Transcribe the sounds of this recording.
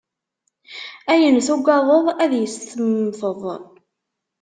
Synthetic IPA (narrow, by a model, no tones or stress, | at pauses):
æjənθuɡʷɑðˤoðˤæðjəst̪əmθəðˤ